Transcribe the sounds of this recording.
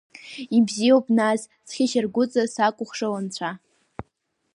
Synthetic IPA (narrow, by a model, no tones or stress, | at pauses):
ibzijopʼnas | sχʲɪʃɪrɡʷʊt͡sʼasakʷʼʊχʂawant͡ɕʷʰa